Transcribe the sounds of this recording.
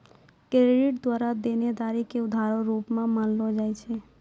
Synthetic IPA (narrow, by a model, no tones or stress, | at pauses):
kɾeɖɪʈ̚d̪waːɾad̪ened̪aɾikeʊd̪ʱaɾoɾuːpmãməllod͡ʒaːjt͡ʃʰe